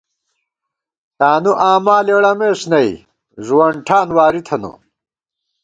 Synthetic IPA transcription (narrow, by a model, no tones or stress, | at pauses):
t̪aːnuʔaːmaːleɽɐmeːʂnɐj | ʑwɐɳɖʈʰaːnwaːɾit̪ʰɐnṵ